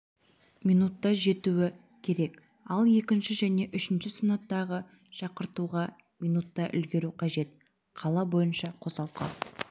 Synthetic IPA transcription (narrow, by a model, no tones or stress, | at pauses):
mijnut̪ːɑʒe̞t̪uwɪ | kʲʰe̞ɾe̞k | ɑlˠje̞kʲɪnʃɪʒæne̞ʔʏʃɪnʃɪsənɑt̪ːɑʁə | ʃɑqəɾt̪uʁɑ | mijnut̪ːɑʔʏ̰lɡʲe̞ɾuqʰɑʒe̞t̪ | qʰɑlˠɑbo̞jənʃɑqʰo̞sɑlˠqɑ̰n